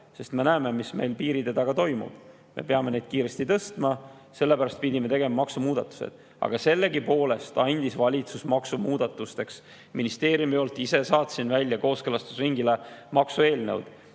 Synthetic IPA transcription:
se̞st̪me̞næːme̞misme̞jlpiːɾit̪e̞d̪̥ɑɡ̥ɑt̪o̞jmṵb̥ | me̞̰peɑme̞ne̞jd̪̥̚kiːɾe̞st̪it̪ɤ̞st̪mɑ | se̞lːe̞pæɾɑst̪̚pid̪ʲime̞t̪e̞ɡe̞mɑmɑksumuːd̪̥ɑt̪ːˑu̥sḛd̪̥ | ɑ̰ɡ̥ɑse̞lːe̞ɡipo̞ːle̞st̪ɑnʲd̪̥isvɑlʲit̪susmɑksumuːd̪̥ɑt̪ːˑust̪e̞ks | minist̪e̞ːɾjumio̞lt̪ːˑise̞sɑːt̪sinvælʲːjɑko̞ːskelɑst̪u̥sriŋɡile̞mɑksue̞ːlnewd̪̥

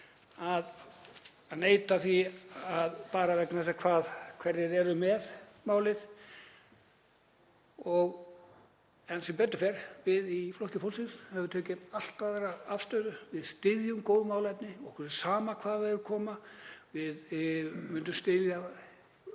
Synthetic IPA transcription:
að | aneːjt̪aθiaðpaːɾavɛknasɛkʰvaːðkʰvɛɾðɪðɛɾʏmɛðmaːwlɪð̥ | ɔɣ | ɛnsɪmpɛt̪̬ːʏfɛɾ̥vɪðiflɔhcɪfowlsɪnshɛvʏɾt̪ʰœːcɪnal̥t̪aðvɛːɾaaft̪œɥðʏvɪðst̪ɪðjʏmkoːwðmaːwlɛt̪nɪɔkʰvɛɾɪ̥saːmakʰvaːðɛvʏɾkʰɔːmavɪðmʏnt̪ʏmst̪ɪlja

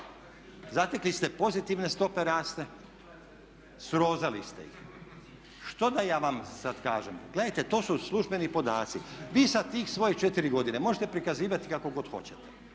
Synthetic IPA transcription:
zat̪eklist̪e̞po̞zit̪iʋne̞st̪o̞pe̞ɾaːst̪e̞ | sɾo̞ːzalist̪ḛḭx | ʃt̪o̞d̪ajaːʋamsad̪kaːʒemɡle̞d̪ajt̪et̪o̞ːsuslˠuʒbe̞nipo̞d̪aːt̪siʋiːsat̪iːxsʋo̞jit͡ʃet̪iɾiɡo̞d̪inemo̞ʒet̪e̞pɾikaziːʋat̪ikako̞ɡo̞d̪xo̞̰t͡ɕet̪e̥

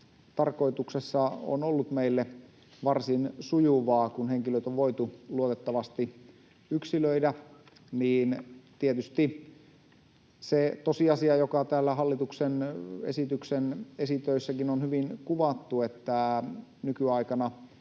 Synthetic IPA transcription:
t̪ɑrko̞it̪uksesːɑo̰nolːut̪meilːe | ʋɑrsinsujuʋɑːkunheŋkiløt̪oʋʋoit̪uluot̪et̪ːɑʋɑst̪i | yksiløidæ | niːnt̪iet̪yst̪i | set̪osiɑsiɑjokɑt̪æːlːæɦɑlːit̪uksenesit̪yksenesit̪øisːækinonhyʋinkuʋɑt̪ːuet̪ːænykyɑikɑnɑ

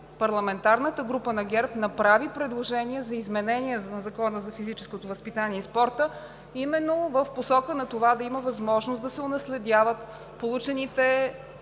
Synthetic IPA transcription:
pɐɾlˠɐmɛnt̪aɾnət̪əɡɾupənɐɡʲɛɾpnɐpɾavipɾɛd̪lˠoʒɛniɛzɐizmɛnɛniɛnɐzɐkɔnəzɐfizit͡ʃɛ̥skot̪ovɐspit̪aniɛispɔɾt̪ə | imɛnːovəfposɔkənɐt̪ovad̪ɐiməvɐzmɔʒnosd̪ɐsɛonɐslɛd̪ʲavət̪ | polˠut͡ʃɛnit̪ɛ

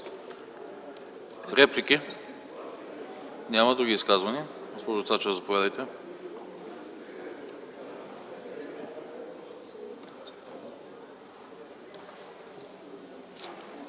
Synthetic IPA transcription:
fɾɛplikʲi | nʲamɐd̪uɡʲiːskazvɐniɡospɔʒt̪sat͡ʃɛzɐpovʲad̪əjt̪ɛ

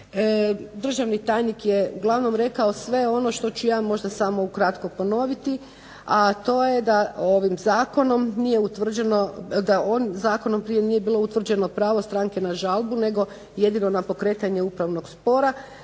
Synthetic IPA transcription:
d̪r̩ʒaʋnit̪aːjnikjeuɡlˠaʋno̞mɾe̞kao̞sʋe̞o̞no̞ʃt̪o̞t͡ɕujaːmo̞ʒd̪asamo̞ukɾat̪ko̞po̞no̞ʋit̪i | at̪o̞je̞d̪ao̞ʋimzaːko̞no̞mnije̞ut̪ʋr̩d͡ʑenod̪aonzaːko̞no̞mpɾije̞nije̞biːlˠo̞ut̪ʋr̩d͡ʑe̞no̞pɾaːʋost̪ɾaŋke̞naʒalˠbune̞ɡo̞ | je̞d̪ino̞napo̞kɾe̞ːt̪aɲe̞upɾaʋno̞ɡspo̞ɾa

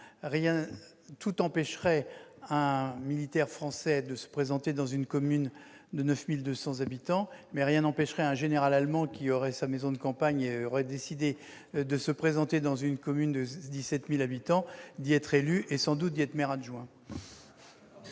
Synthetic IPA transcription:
ʁjɛ̃ | t̪ut̪ɑ̃pɛʃʁɛɛ̃milit̪ɛʁfχɑ̃sɛd̪əsə̥pχezɑ̃t̪ed̪ɑ̃zynkɔmyn | d̪ənœfmild̪øsɑ̃zabit̪ɑ̃mɛʁjɛ̃nɑ̃pɛʃʁɛɛ̃ʒeneʁalalmɑ̃kʲiɔʁɛsamezɔ̃d̪əkɑ̃paɲeɔʁɛd̪esid̪e | d̪əsəpχezɑ̃t̪ed̪ɑ̃zynkɔmynd̪əd̪isɛt̪milabit̪ɑ̃d̪iɛt̪χelyʔesɑ̃d̪ut̪̚d̪iɛt̪χmɛʁaʒwɛ̃

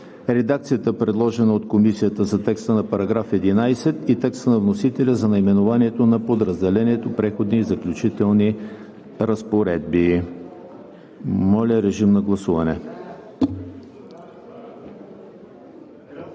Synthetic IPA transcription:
ɾɛd̪ak̚t̪sijət̪əpɾɛd̪lˠɔʒɛnəot̪komisijət̪əzɐt̪ɛkst̪ənɐpɐɾɐɡɾafɛd̪inajsɛt̪it̪ɛkst̪ənɐvnosit̪ɛlʲəzɐnɐimɛnʊvaniɛt̪onɐpod̪ɾɐzd̪ɛlɛniɛt̪opɾɛxod̪niːzɐklʲut͡ʃit̪ɛlˠni | ɾɐspoɾɛd̪̚bi | mɔlʲəɾɛʒimnɐɡlˠɐsuvɐnɛ

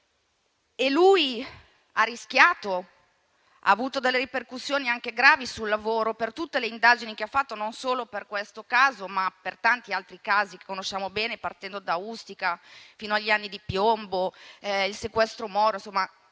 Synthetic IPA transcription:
eluj | arːisk̟jaːt̪o | ʔa̰ːvuːt̪od̪elːeɾiperkusːjoːniaŋkeɡɾaːvisulːavoːɾopert̪ut̪ːeleind̪aːd͡ʒinikeafːat̪ːononsoːloperkwest̪okaːzomapert̪ant̪ialt̪ɾikaːzike̥kːonoʃːaːmobɛːnepart̪ɛnd̪od̪aust̪ikafiːnoaʎːianːid̪ipjomboilsekwɛst̪ɾomɔːɾoinsomːa

